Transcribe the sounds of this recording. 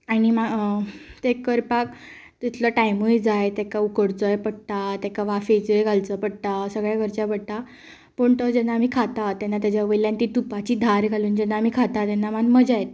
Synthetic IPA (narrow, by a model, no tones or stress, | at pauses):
aɽ̃ima | t̪ekːəɾpak | t̪it̪ʰləʈajmujd͡zajt̪ɛkaukəɽt͡səjepəɽt̪at̪ɛkaʋafet͡səjɡʱalt͡səpəɽt̪asəɡɭjaɡʱəɾt͡ɕapəɽ̚t̪a | pəɳt̪əd͡ʑɛnːam̤iːkʰat̪at̪ːɛnːat̪̬jad͡ʑjaʋəjljãnt̪iːt̪upat͡ɕiːd̪ʱaɾɡʱaluːnd͡ʑɛnːaːm̤iːkʰat̪at̪ɛnːamanməd͡ʑajt̪̚